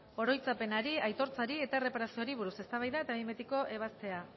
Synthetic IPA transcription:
o̞ɾo̞jt͡sape̞naɾiajt̪o̞ɾt͡saɾie̞t̪are̞paɾasioɾiβ̞uɾuse̞st̪aβ̞ajðae̞t̪aβimet̪iko̞ʔe̞β̞ast̪e̞a

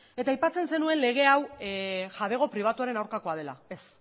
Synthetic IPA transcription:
e̞t̪aːjpat͡se̞nse̞nue̞nle̞ɣ̞e̞awʝaβe̞ɣ̞o̞pɾiβ̞at̪uaɾe̞nawɾkako̞að̞e̞la̰e̞s

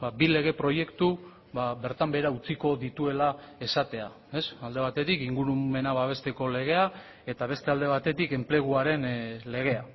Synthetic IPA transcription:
babile̞ɣ̞e̞pɾo̞je̞kt̪u | βaβe̞ɾt̪ambe̞ɾaut͡siko̞ðit̪ue̞lae̞sat̪e̞a̰ | e̞sald̪e̞β̞at̪e̞t̪ikiŋɡuɾume̞naβaβ̞e̞st̪e̞ko̞le̞ɣ̞e̞a | e̞t̪aβe̞st̪e̞ald̪e̞β̞at̪e̞t̪ike̞mple̞ɣ̞uaɾe̞nle̞ɣ̞e̞a

